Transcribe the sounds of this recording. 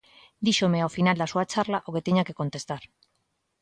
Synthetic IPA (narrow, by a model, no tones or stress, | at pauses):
d̪iʃomeaofinald̪asuat͡ʃarlaʔoɣet̪eɲakeko̞nt̪e̞st̪aɾ